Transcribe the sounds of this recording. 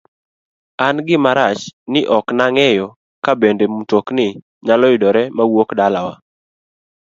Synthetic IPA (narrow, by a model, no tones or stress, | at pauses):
anɡɪmaɾat͡ʃnɪʔɔknaŋɛjɔ | kabendemutoknɪ | ɲalɔɪdɔɾɛmawokdalawa